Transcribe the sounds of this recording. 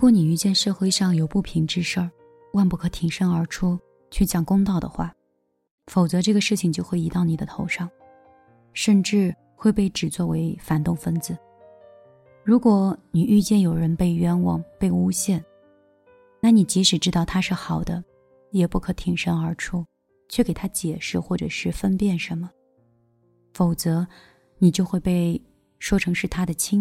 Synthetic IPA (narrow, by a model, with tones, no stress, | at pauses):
kwɔ˥ni˨˩y˥˧t͡ɕjɛ˥˧nʂɤ˥˧xwe˥˧ɪʂɑ˥˩ŋjo˨˩ʊpu˥˩pʰi˧˥ŋʈ͡ʂɻ̩˥ʂə˥˩ | wa˥˧npu˥˩kʰɤ˧˩t̪ʰi˧˥ŋʂə˥ŋə˞˧˥ʈ͡ʂʰu˥ | t͡ɕʰy˥˩t͡ɕjɑ˨˩ŋkʊ˥ŋt̪ɑ˥˩ʊd̪ə̰˩xwa̰˥˩ | fo˨˩ʊt͡sɤ˧˥ʈ͡ʂɤ˥˩ɡə˩ʂɻ̩˥˩t͡ɕʰi˨˩ŋt͡ɕjo˥˧ʊxwe˥˩ɪi˧˥t̪ɑ˥˩ʊni˨˩d̪ə˦t̪ʰo˧˥ʊʂɑ˥˩ŋ | ʂə˥˧nʈ͡ʂɻ̩˥˧ | xwe˥˧ɪpe˥˩ɪʈ͡ʂɻ̩˨˩t͡swɔ˥˩we˧˥ɪfa˨˩nt̪ʊ˥˩ŋfə˥nd͡zɹ̩˩˦ | ɻu˧˥kwɔ˧˥ni˨˩y˥˧t͡ɕjɛ˥˩njo˨˩ʊɻə˧˥npe˥˩ɪɥɛ˧˥nwɑ˨˩ŋpe˥˩ɪu˥ɕjɛ˥˩n | na˥˩ni˨˩t͡ɕi˧˥ʂɻ̩˨˩ʈ͡ʂɻ̩˥t̪ɑ˥˩ʊt̪ʰa˥ʂɻ̩˥˩xɑ˨˩ʊd̪ə˦ | jɛ˨˩pu˥˩kʰɤ˧˥t̪ʰi˨˩ŋʂə˥ŋə˞˧˥ʈ͡ʂʰu˥˩ | t͡ɕʰɥɛ˥˩ke˨˩ɪt̪ʰa˥t͡ɕjɛ˨˩ʂɻ̩˥˧xwɔ˥˩ʈ͡ʂɤ˨˩ʂɻ̩˥˩fə˥npjɛ˥˩nʂə˧˥nmə˧ | fo˨˩ʊt͡sɤ˧˥ | ni˨˩t͡ɕjo˥˧ʊxwe˥˧ɪpe˥˩ɪ | ʂwɔ˥ʈ͡ʂʰɤ˧˥ŋʂɻ̩˥˩t̪ʰa˥d̪ə˨t͡ɕʰi˥ŋ